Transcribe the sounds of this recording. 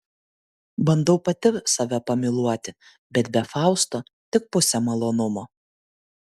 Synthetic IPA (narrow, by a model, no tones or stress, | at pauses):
bɐnd̪ɐʊpɐt̪ʲɪsɐʋʲɛpɐmʲɪlˠuɔt̪ʲɪ | bʲɛt̪bʲɛfɑˑʊst̪oː | t̪ʲɪk̚pʊsʲɛmɐlˠoːnʊmoː